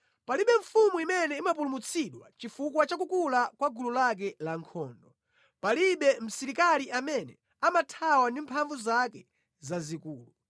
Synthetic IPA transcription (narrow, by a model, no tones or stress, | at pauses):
paliɓɛɱ̩fumuimɛnɛimap̬ulumut͡sʰiɗwa̰t͡ʃifukwat͡ʃakukulakwaɡululak̬ɛlaŋkʰɔːndɔ | paliɓɛm̩siɾikaliʔamɛnɛ | amatʰawandimpʰaɱvuzakɛ | zazikuːlu